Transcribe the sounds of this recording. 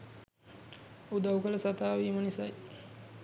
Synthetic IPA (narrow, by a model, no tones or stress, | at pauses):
ud̪aukələsat̪aːʋiːmənisaj